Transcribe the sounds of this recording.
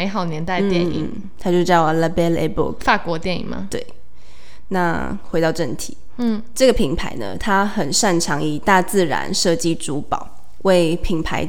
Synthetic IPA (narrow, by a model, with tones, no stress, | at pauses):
me˧˥ɪxɑ˨˩ʊnjɛ˧˥nt̪a˥˧ɪt̪jɛ˥˨˩nḭ˩˥˩ | t̪ʰa˥t͡ɕjo˥˧ʂt͡ɕjɑ˥˩ʊ˨la˧bɛ˥lḛ˧˥bṵ˥˩kfa˥˩kwɔ˧˥˦t̪jɛ˥˩nḭ˨˩ŋmɐ̰˧˦t̪we˥˩ɪ | na˥˧ | xwe˧˥ɪt̪ɑ˥˧ʊʈ͡ʂə˥˩nt̪ʰi˨˩˦ʈ͡ʂɤ˥˩ɡə˩pʰi˧˥ŋpʰa̰˧˥ɪnə̰˧t̪ʰa˥xə˨˩nʂa˥˩nʈ͡ʂʰɑ˧˥ŋi˨˩t̪a˥˧t͡sɹ̩˥˩ɻa̰˧˥nʂɤ˥˧t͡ɕi˥˩ʈ͡ʂu˧˥pɑ˨˩˦ʊ | we˥˩ɪpʰi˧˩ŋpʰa˧˥ɪ